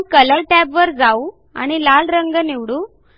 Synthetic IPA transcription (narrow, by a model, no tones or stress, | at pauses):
kələɾʈɛbʋəɾd͡zau | a̰ɽ̃ilalɾəŋɡəniʋɽuː